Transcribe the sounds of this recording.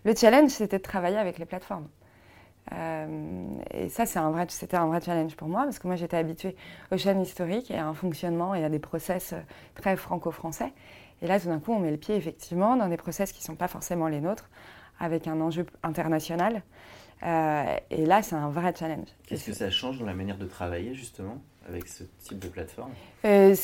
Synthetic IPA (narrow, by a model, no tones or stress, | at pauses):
lət͡ʃalɛnʒset̪ɛd̪ət̪χavajeavɛkleplat̪fɔʁm | ø̰mḛsasɛt̪ɛ̃vʁɛset̪ɛɛ̃vʁɛt͡ʃalɛ̃nʒpuʁmwapaʁsəkəmwaʒet̪ɛabit̪ɥeoʃɛnist̪ɔʁikeaɛ̃fɔ̃ksjɔnmɑ̃ead̪epχɔsɛsø̰ | t̪χɛfχɑ̃kofχɑ̃sɛ | elat̪ud̪ɛ̃kuɔ̃mɛləpjeːfɛk̚t̪ʰivmɑ̃d̪ɑ̃d̪epχɔsɛskʲi̥sɔ̃pafɔʁsemɑ̃lenot̪χa̰vɛkɛ̃nɑ̃ʒøɛ̃t̪ɛʁnasjɔnal | øḛlasɛt̪ɛ̃vʁɛt͡ʃalɛ̃nʒkɛskəsaʃɑ̃ʒd̪ɑ̃lamanjɛʁd̪ət̪χavajeʒyst̪əmɑ̃ | a̰vɛ̰ksət̪ʰip̚d̪əplat̪fɔʁmø